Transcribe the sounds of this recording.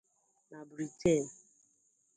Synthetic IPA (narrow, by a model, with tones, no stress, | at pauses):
na˨bɾi˨tʰe˦˨n